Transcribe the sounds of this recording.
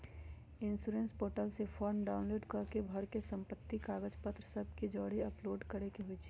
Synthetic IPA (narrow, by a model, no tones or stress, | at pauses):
ɪnsuɾẽnspoːʈəlsepʰɔːɾmɖaːʊnloːɖkəɾkebʱɐɾkesə̃mpət̪ːikaːɡəd͡ʒpət̪ɾəsəb̚ʱkid͡ʒɔːɽiɐploːɖkəɾekeɦoit͡ʃʰi̥